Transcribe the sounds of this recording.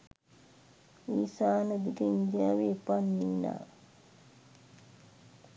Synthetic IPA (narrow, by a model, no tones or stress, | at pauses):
ʋiːsaːnəd̪ikəind̪ijaːʋeːpanːiʋna̰ː